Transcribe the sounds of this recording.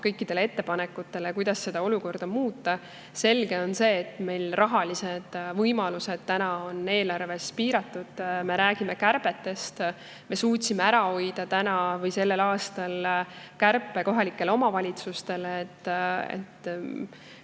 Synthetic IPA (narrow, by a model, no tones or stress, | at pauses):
kɤjkːˑid̪̥e̞lee̞t̪ːe̞pɑnekːut̪ːˑe̞le̞kujd̪̥ɑsːe̞d̪̥ɑo̞luko̞rd̪̥ɑmuːt̪ːˑɑ | se̞lɡ̥e̞o̞nse̞ːt̪ːˑme̞jlrʔɑɦɑlised̪̥vɤjmɑluse̞d̪̥̚t̪ænɑo̞nːe̞ːlɑrve̞spiːɾɑt̪ːˑud̪̥me̞ɾæːɡ̥ime̞kærpe̞t̪ːˑe̞st̪ | me̞suːtʲsimeæɾɑo̞jd̪̥ɑt̪ænɑvɤjse̞lːe̞lɑːst̪ɑlkærpˑːe̞ko̞ɦɑlikːˑe̞leo̞mɑvɑlʲit̪sust̪e̞leːt̪ːḛt̪ːˑ